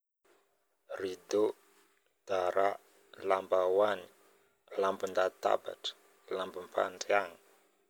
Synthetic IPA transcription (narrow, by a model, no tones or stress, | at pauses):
rid̪o | d̪̥aɾa | lambawani | lambund̪at̪a̰ba̰ʈ͡ʂə̥ | lambimpʰa̰ɳɖ͡ʐiaŋi